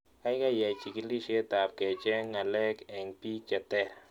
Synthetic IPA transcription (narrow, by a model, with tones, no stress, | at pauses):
a˦jɡa˦ja˨jt͡ʃi˨ki˧li˦ʃe˦t̪a˨p̚ke˨t͡ʃe˦ŋa˨le˦ke˨ŋpi˦t͡ʃa˨t̪e˦ɾ